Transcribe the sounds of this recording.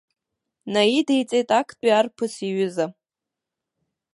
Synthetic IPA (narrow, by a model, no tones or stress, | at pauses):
naidejt͡sʼejtʼakʼʰtʼiarpʰɨsiɥʏza